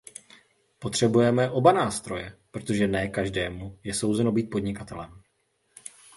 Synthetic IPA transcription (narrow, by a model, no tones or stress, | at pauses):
po̞t̪r̝̥ɛbujɛmɛʔo̞banaːst̪ɾo̞jɛpɾo̞t̪o̞ʒɛnɛːkaʒdɛːmujɛso̞wzɛno̞biːt̪̚po̞dɲɪkat̪ɛlɛm